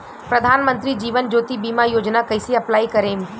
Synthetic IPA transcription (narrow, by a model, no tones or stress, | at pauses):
pɾɐd̪ʱaːnmə̃nt̪ɾid͡ʒiːʋənd͡ʒoːt̪ibiːmajoːd͡ʒnakɐɪsiɐplaːikɐɾẽːm